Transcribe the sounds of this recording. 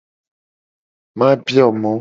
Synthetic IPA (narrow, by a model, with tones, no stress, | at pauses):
mã˦bjɔ˦˨mɔ˨˦